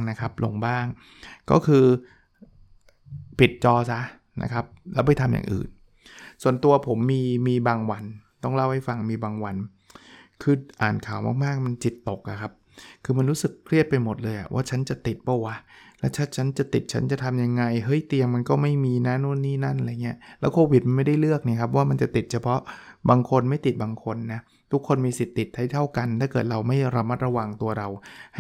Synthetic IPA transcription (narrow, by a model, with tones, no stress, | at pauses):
na˦˥kʰa˦˥p̚lo˧ŋbaː˥˩ŋ | kɔ̰ː˥˩kʰɯː˧ | pi˨˩t̪̚t͡ɕɔː˧sa˦˥ | na̰˦˥kʰa˦˥p̚lɛ˦˥wpa˨˩jt̪ʰa˧mja̰˨˩ʔɯ̰ː˨˩n | su˨˩ənt̪u˧ɐpʰo˩˦mːiː˧miː˧baː˧ŋwa˧nt̪ɔ˥˩ŋla˥˩wha˥˩jfa˧ŋmiː˧baː˧ŋwa˧n | kʰɯː˧ʔaː˨˩nkʰaː˨˩˦wma̰ː˥˩k̚maː˥˩k̚ma˧nt͡ɕi˨˩t̪ːo˨˩k̚ʔa˨˩kʰa˦˥p̚ | kʰɯː˧ma˧nɾuː˦˥sɯ˨˩kʰːɾi˥˩ət̪̚pa˧jmo˨˩t̪̚lɤː˧jʔa̰˨˩wa̰ː˥˩t͡ɕʰa˦˥nt͡ɕa˨˩t̪i˨˩t̪̚bɔ˥˩wa˦˥lɛː˦˥wt͡ɕʰa˦˥t͡ɕʰa˦˥nt͡ɕa˨˩t̪i˨˩t̪̚t͡ɕʰa˦˥nt͡ɕa˨˩t̪ʰa˧mja˧ŋːa˧jɦɤ˦˥jt̪i˧əmːa˧nkɔː˥˩ma˥˩jmiː˧na˦˥nu˥˩ə˨nːiː˥˩na˥˩nʔɾa˧˩ŋi˦˥ɐlɛː˦˥wkʰoː˧wi˨˩t̪̚ma˧nma˥˩jda˥˩jlɯ˥˩ək̚niː˧˩kʰa˦˥p̬̚waː˥˩ma˧nt͡ɕa˨˩t̪i˨˩t̪̚t͡ɕʰa˧pʰɔ˦˥baː˧ŋkʰo˧nma˥˩jt̪i˨˩t̪̚baː˧ŋkʰo˧nːa˦˥ | t̪ʰu˦˥kʰːo˧nmiː˧si˨˩t̪ːi˨˩t̪̚ʰːa˥˩jt̪ʰa˥˩wka˧nt̪ʰaː˥˩kɤː˨˩t̪̚ɾa˧wma˥˩jɾa˧ma˦˥t̪̚ɾa˧wa˧ŋt̪u˧ɐɾa˧wh